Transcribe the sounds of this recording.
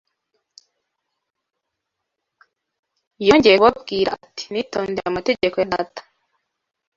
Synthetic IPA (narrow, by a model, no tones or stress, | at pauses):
ijoːɲɟejewabɡiːɾati̥nitoːndeɾaumateɟekojada̰tḁ